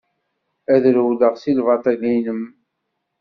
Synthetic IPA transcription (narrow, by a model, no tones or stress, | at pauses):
æðɾwləʁsilvɑt̪ˤɑlinəm